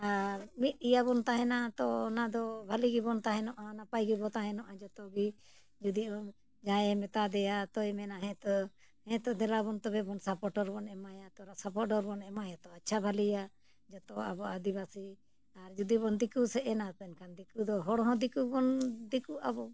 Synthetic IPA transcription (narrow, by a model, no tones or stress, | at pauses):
aɾmit̪̚ˀijabɔnt̪aɦɛ̃nat̪ɔnad̪ɔbʱaliɡibɔnt̪aɦɛnɔʔanapajɡibɔt̪aɦɛ̃nɔʔad͡ʒɔt̪ɔɡi | d͡ʒud̪iɔ | d͡ʒajɛmɛt̪ad̪ɛjat̪ɔjmɛnaɦɛ̃t̪ɔ | hɛ̃t̪ɔd̪ɛlabɔnt̪ɔbɛbɔnsapɔʈɔɾbɔnɛmajat̪ɔɾasapɔʈɔɾbɔnɛmajat̪ɔat͡ʃʰabʱalija | d͡ʒɔt̪ɔa̰bɔad̪iβasi | aɾd͡ʒud̪ibɔnd̪ikusɛʔɛnat̪ɛnkand̪ikud̪ɔɦɔɽɦɔ̃d̪ikubɔnd̪ikuʔabɔ